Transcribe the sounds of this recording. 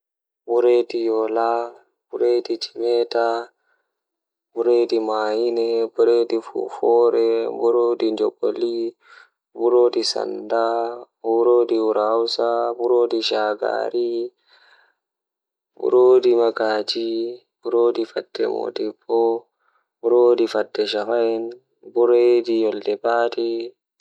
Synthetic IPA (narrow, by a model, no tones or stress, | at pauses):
buɾedijɔla | b̥uɾedid͡ʒimɛta | buɾedimaːjinɛbuɾedifṵfɔːɾɛbuɾodiɲd͡ʒoboli | buɾoːdisa̰nda | buɾoːdiwuɾawsabuɾoːdiʃaɡa̰ɾi | bṵɾodimaɡaːd͡ʒi | b̥uɾodifadːɛmo̰dibɔ | buɾoːdifadːɛʃafajɛn | buɾedijɔldɛbaːti